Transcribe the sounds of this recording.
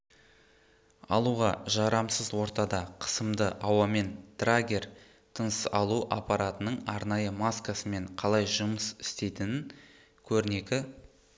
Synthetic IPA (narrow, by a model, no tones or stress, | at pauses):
ɑ̰lˠuʁɑʒɑɾɑmsəzwo̞ɾt̪ɑd̪ɑqʰə̥səmd̪əʔɑwɑme̞nt̪raɡʲe̞ɾ | t̪ʰənsɑlˠuʔɑ̰pɑɾat̪ənəɴɑɾnɑjəmaskasəme̞ɴqʰɑlˠɑjʒʊməsɪ̥st̪e̞jt̪ɪnɪn | kʲʰɵɾɪne̞kʲɪ